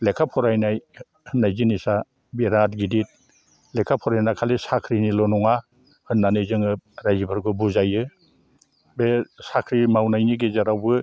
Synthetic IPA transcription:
lekʰapʰɔɾajnaj | hɯnːajzinisa | beɾat̚ɡidit̚ | lekʰapʰɔɾajnakʰalesakʰɾinilɔnɔŋa | hɯnːanɯjzɯŋɯɾajzibɯɾɡɯbuzajɯ | besakʰɾimawnajniɡezaɾawbɯ

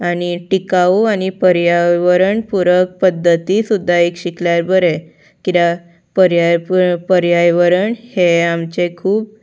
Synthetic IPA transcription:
aɽ̃iʈikaañipəɾjaʋəɾəɳpuɾək̚pəd̪ʱːət̪isud̪ʱːaekɕikljaɾbəɾe | kit̪a | pəɾjapəɾjajʋəɾəɳheamt͡ɕekʰuːp̚

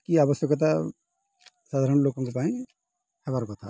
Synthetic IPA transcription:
kiaːʋəsjəket̪̬ɐ | saːd̪ʱaːɾəɳ̃loːkõŋkepaːĩ | hɛʋaːɾkot̪ʰa̰ː

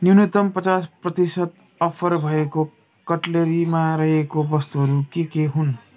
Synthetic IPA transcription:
njunit̪ʌmpʌt͡sasprʌt̪isʌt̪ | ʌpʰʌɾbʱʌeko | kʌʈleɾimaɾʌɦekobʌst̪uɦʌɾukekeɦun

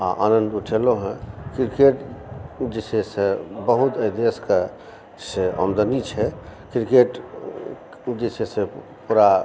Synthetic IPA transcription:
a̰ʔanənd̪uʈʰeloɦɛ̃kiɾkeʈd͡ʒesesebəɦut̪əjd̪eske | seə̰md̪ənit͡ʃʰɛkɾkeʈ | d͡ʒesesepuɾa

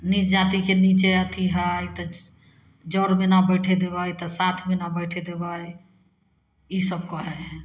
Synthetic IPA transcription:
nit͡ʃd͡ʒat̪ikenit͡ʃeət̪ʰiɦəjt̪ɔ | d͡ʒɔɾmenabəɪʈʰed̪eβajt̪ɔsat̪ʰmenabəɪʈʰed̪ebaj | isəb̚kɔɦɛ

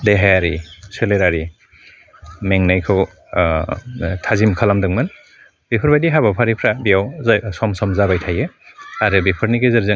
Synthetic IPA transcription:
deɦajaɾiseleɾaɾi | meŋnajkʰɯw | tʰazimkʰalamdɯŋmɯn | bipʰɯɾbajdiɦaβapʰaɾipʰɾabijawzsɔmsɔmzabajtʰajɯaɾɯbipʰɯɾniɡezɯɾzɯŋ

